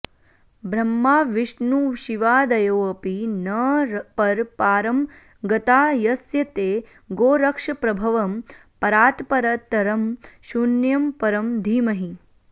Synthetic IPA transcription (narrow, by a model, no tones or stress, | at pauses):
bʱɾɐmːaːʋiʂnuːʃiʋaːd̪ɐjoːɐpinɐɾpɐɾpaːɾɐm | ɡɐt̪aːjɐsjɐt̪eː | ɡoːɾɐkʂɐpɾɐbʱɐʋɐm | pɐɾaːt̪pɐɾɐt̪ɐɾɐmʃunjɐmpɐɾɐmd̪ʱiːmɐɦi